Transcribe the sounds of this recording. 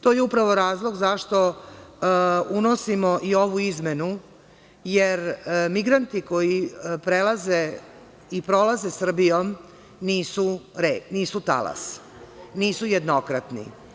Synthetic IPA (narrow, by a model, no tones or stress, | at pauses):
t̪ojeupɾaʋoɾaːzlˠoɡzaʃt̪o̞ | unosimoʔio̞ʋuizmenu | jeɾmiɡɾant̪ikojipɾelaze | ipɾo̞lazesr̩bijom | niːsuɾeniːsut̪a̰la̰s | niːsujed̪nokɾat̪nḭ